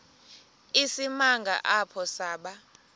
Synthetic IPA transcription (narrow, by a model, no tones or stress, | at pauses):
isimaŋɡʱa̰ʔapʰɔsaːɓa